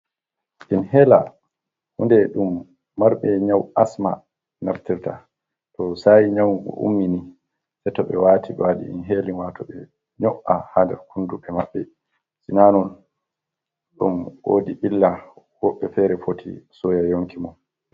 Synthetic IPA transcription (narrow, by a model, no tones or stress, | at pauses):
ʔinhɛla̰ | hundɛɗumː | aɾɓɛɲawasma | naftiɾta̰ | tɔsajɲawkɔ̰ʔṵmːini | sɛtɔɓɛ̰waːtʰiɓɛwaɗḭḭnɦeːlinwatʰɔɓɛ | ɲɔwʔahandɛɾkʰunduɓɛmaɓːɛ | sinanɔn | ɗṵmwo̰diʔilːa | wɔɓːɛfɛɾɛfotʰḭsɔjajoŋkimɔn